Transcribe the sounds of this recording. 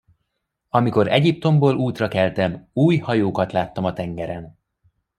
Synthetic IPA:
ɒmiko̞ɾɛɟip̚t̪o̞mboːluːt̪rɒkɛlt̪ɛmuːjhɒjoːkɒt̪laːt̪ːɒmɒt̪ɛŋɡɛɾɛn

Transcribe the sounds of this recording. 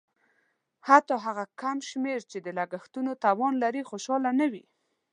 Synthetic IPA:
hat̪ɑɦaɣakamʃmeɾt͡ʃed̪əlaɡaxt̪unot̪awɑnlaɾixoʃɑlanawi

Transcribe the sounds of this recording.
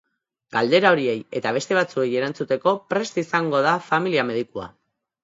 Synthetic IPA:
ɡald̪e̞ɾao̞ɾie̞je̞t̪aβ̞e̞st̪e̞β̞at͡sue̞je̞ɾant͡sut̪e̞ko̞pɾe̞st̪isaŋɡo̞ð̞afamiliame̞ð̞ikua̰

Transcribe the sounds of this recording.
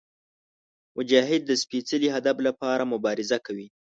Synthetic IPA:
mʊd͡ʒɑɦɪd̪̚ːəspit͡səliɦad̪aflapɑɾamʊbɑɾɪzakawi

